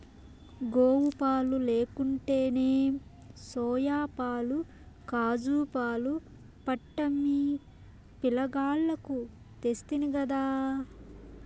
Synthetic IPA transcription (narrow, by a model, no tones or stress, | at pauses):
ɡoːwupaːluleːkuɳʈe̞ːneː | sɔːjaːpaːlu | kaːd͡ʒuːpaːlu | pɐʈːɐmːi | pilɐɡaːɭːɐku | t̪est̪iniɡɐd̪aː